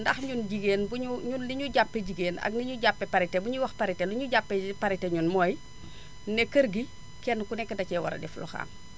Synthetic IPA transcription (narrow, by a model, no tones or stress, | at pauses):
ndɐxɲunɟiɡeːnbuɲuɲunliɲuɟapːɛɟiɡeːnɐ̰ɡ̚niɲuɟapːɛpɐɾitɛbuɲuwɐxpɐɾitɛluɲuɟapːɛpɐɾitɛɲunmɔːj | nɛkəɾɡi | kɛnːkunɛkːədɐcɛwɐ̰ɾɐ̰dɛflɔ̰xa̰ːm